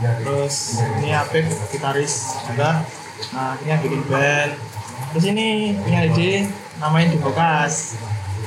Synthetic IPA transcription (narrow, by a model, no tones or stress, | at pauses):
t̪ɾʊsiniapɪk̚t̪it̪aɾɪsapa | əiniaɡidiŋbɛnt̪ɾʊs̬iniiɲaide | namaɪnd̪̥ibakas